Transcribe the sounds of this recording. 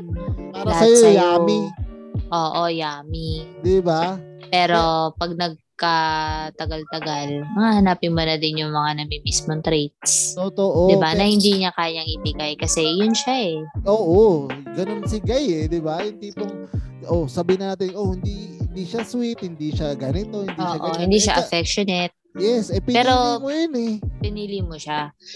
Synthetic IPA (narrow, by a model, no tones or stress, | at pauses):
paːɾahaɐjsoɐjamiʔoːʔojaːmid̪ɪba | pɛːɾo̞pɐɡ̚nɐɡ̚kɐt̪ɐɡalt̪ɐɡalmɐŋahɐnaːpɪnmonɐd̪ɪnjʊŋmɐŋanɐmimismoŋt̪ɾejt̪̚st̪ot̪oʔod̪ɪbanɐhɪnd̪iːɲɐkaːjɐŋɪpɪɡajkɐsɛjʊnʃaʔɛʔoːʔoɡɐnonsɪɡajɛd̪ɪbahɪnd̪it̪oŋ | ʔosabiɪnaːt̪ɪnʔohɪnd̪ihɪnd̪iʃaswit̪̚hɪnd̪iʃaɡanɪt̪ohɪnd̪ioʃːaʔohɪnd̪iːʃaʔɐfɛk̚ʃonɛt̪̚jɛsʔɛpɪpɛːɾo̞mojʊnɛpɪnilimoʃa